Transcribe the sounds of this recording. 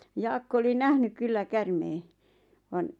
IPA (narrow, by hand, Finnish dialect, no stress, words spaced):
jɑːkːo oli næhnyk̆ kylːæ kærmeː ʋɑn